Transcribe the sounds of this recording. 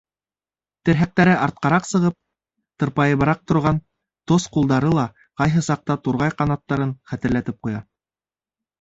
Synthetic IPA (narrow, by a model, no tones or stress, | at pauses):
t̪ɘ̆ɾɦæk̚t̪æɾɘʔɑɾt̪̚qɑɾɑqsɤ̆ʁɤp̚ | t̪ɤ̆ɾpɑjɤ̆βɤ̆ɾɑq̚t̪ŏɾʁɑn | t̪osqulˠd̪ɑɾɤlˠɑ | qɑjɦɤsɑq̚t̪ɑt̪uɾʁɑjqɑnɑt̪ːɑɾɤnχæt̪ɘ̆ɾlæt̪ɘp̚qujɑ